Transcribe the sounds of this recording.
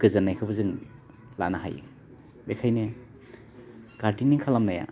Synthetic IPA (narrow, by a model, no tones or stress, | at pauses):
ɡɯzanːajkʰɯbɯzɯŋ | la̰naɦa̰j | bekʰajne | kaɾdiniŋkʰalamnaja̰